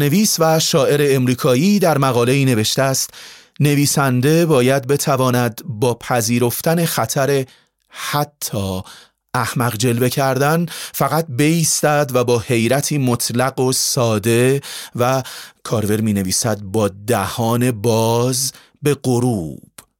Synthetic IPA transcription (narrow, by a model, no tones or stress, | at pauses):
ne̞viːsvæʃɒːʔe̞ɾe̞ːmɾiːkʰɒːjiːd̪æɾmæɣɒːle̞iːne̞ve̞ʃt̪æːst̪ | ne̞viːsænd̪e̞bɒːjæd̪̚be̞t̪ʰævɒːnæd̪bɒːpʰæziːɾo̞ft̪æne̞xæt̪ʰæɾe̞ | hæt̪ʰːɒː | ʔæhmæɣd͡ʒe̞lbe̞cʰæɾd̪ænfæɣæt̪̚be̞iːst̪æd̪væbɒːhe̞jɾæt̪ʰiːmot̪ʰlæɡo̞sɒːd̪e̞vækʰɒːɾve̞ɾmiːne̞viːsæd̪̚bɒːd̪æhɒːne̞bɒːz | be̞ɢo̞ɾuːb̥